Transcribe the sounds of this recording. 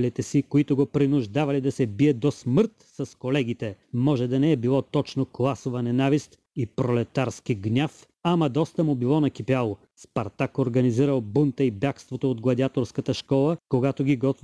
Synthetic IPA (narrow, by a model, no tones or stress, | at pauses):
lit̪ɛsikoit̪ʊɡopɾinʊʒd̪avɐlid̪ɐsɛbiɛd̪osməɾt̪sɐskolɛɡʲit̪ɛmɔʒɛd̪ɐnɛɛbilˠɔt̪ɔt͡ʃnoklˠasovɐnɛnavist̪ | ipɾolɛt̪aɾskiɡnʲaf | amɐd̪ɔst̪əmʊbilˠɔnɐkʲipialˠo | spɐɾt̪akoɾɡɐniziɾəlˠbunt̪əibjakst̪vot̪oːd̪ɡlˠɐd̪iat̪oɾskət̪əʃkɔlˠəkoɡat̪oɡʲiɡɔt̪